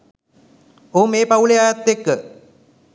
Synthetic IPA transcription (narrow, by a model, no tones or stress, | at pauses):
oːmeːpauleaːjat̪ːekːə